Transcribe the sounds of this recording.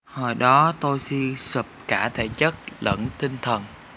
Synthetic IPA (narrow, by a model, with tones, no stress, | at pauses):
həː˨˩jɗɔ˨˦t̪o˧jsi˧sɨ˨˩p̚kaː˧˩t̪ʰe˧˩t͡ɕə˦˥t̚lə̰˧˥nt̪ʰï˧ŋ̟t̪ʰə˨˩n